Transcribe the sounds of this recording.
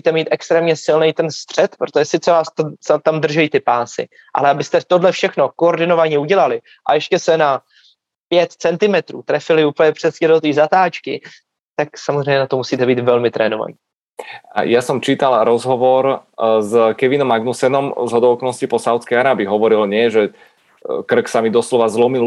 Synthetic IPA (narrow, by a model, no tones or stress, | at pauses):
siːt̪ɛmiːt̪ɛkst̪ɾɛːmɲɛsɪlnɛjt̪ɛnst̪r̝̥ɛt̪pɾot̪oʒɛsɪt̪t͡sɛvaːst̪osat̪amd̪r̩ʒɛjit̪ɪpaːsɪ̰ | ʔa̰lɛabɪst̪ɛt̪odlɛfʃɛxno̞kooɾdɪno̞vaɲɛuɟɛlalɪ | ʔa̰jɛʃcɛsɛna | pjɛt̪t͡sɛnt̪ɪmɛt̪ɾṵːt̪ɾɛfɪlɪuːpəl̩ɲɛpr̥ɛsɲɛdot̪iːzat̪aːt͡ʃkɪ | t̪aksamozr̝ɛjɲɛnat̪omusiːt̪ɛbiːt̪vɛlmɪt̪ɾɛːnova̰ɲiː | ajasɔmt͡ʃiːt̪alɾɔzɦɔʋɔɾzkɛʋinɔmaɡnusɛnɔmzɦɔd̪ɔʊkɔlnɔscipɔsawt̪t͡skɛjaɾaːbɪːɦɔʋɔɾilɲɪɛʒɛ | kr̩ksamid̪ɔslɔʋazlɔmil